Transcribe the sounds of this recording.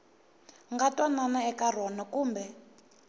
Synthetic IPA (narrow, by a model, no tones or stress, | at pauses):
ŋɡatwananaɛkarɔnakuːmbɛ